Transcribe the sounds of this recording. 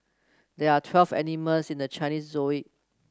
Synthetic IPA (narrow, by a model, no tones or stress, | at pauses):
dɛatʰwɛlvɛ̰niməlsĩndət͡ʃãɪniszoiʔ̚